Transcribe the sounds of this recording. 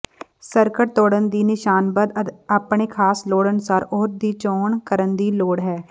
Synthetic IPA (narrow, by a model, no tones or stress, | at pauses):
səɾkəʈt̪oːɽənd̪iːnɪʃaːnbəd̪aːpɳeːkʰaːsloːɽənʊsaːɾɔːɾd̪iːt͡ʃɔːɳkəɾənd̪iːloːɽɦɛː